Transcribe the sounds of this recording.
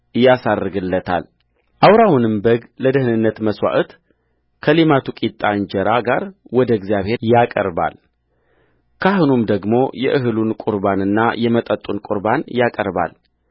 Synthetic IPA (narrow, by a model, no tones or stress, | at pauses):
ɨjːasarːɨɡɨlːət̪ʰa̰l | ʔawɾawnɨmbəɡləd̪əhɨnɨnːət̪məswa̰ʔt̪ | kʰəlimat̪ʰukʼit̪ʼːaɲd͡ʒɛɾaɡaɾwɔd̪əɡzjaβhe̞jakʼə̰ɾba̰l | kʰaɦɨnumd̪əɡmo̞jɛ̰ʔɨɦɨlunkʼuɾbanɨnːajɛmət̪ʼət̪ʼːunkʼuɾbanjakʼəɾba̰l